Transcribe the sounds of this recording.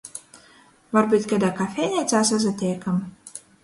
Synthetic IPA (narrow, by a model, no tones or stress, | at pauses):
vaɾbɨt̪ʲkʲad̪akafʲɛːnʲɛt̪saːs̬azat̪ʲɛjkam